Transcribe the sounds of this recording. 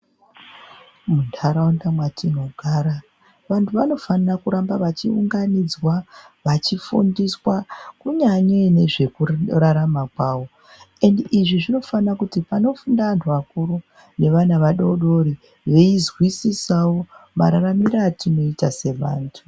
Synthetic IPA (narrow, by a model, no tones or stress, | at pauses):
muntʰaɾaundamwatʰino̞ɡʱaːɾa | ʋantʰuʋano̞fanarakuɾambaʋat͡ʃiṵŋɡanid͡zwaʋat͡ʃifṵndiswakuɲaɲene̞ʐe̞kuraɾamakwaːwo̞ | e̞ndiʐiʐino̞fanakutipano̞fundaantʰuʋakuɾu | ne̞ʋanaʋaɗoɗoɾi | ʋe̞izwisisawo̞ma̰ɾaramiɾatino̞itase̞ʋa̰ːntʰu